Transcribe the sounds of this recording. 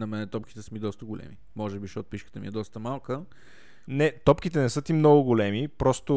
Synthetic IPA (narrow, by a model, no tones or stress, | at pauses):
nɐmɛnɛt̪ɔpki̥t̪ɛsəmid̪ɔst̪əɡolɛ̰mi | mɔʒɛbiʃɛot̪̚piʃkət̪əmḭɛd̪ɔst̪əmalˠkə | nɛt̪ɔpk̟it̪ɛnɛsɤt̪imnɔɡʊɡolɛmipɾɔst̪ʊ